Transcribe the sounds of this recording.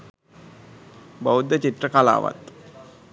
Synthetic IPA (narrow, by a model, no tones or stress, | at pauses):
bəwd̪ət͡ɕit̪ɾəkala̰ːʋa̰t̪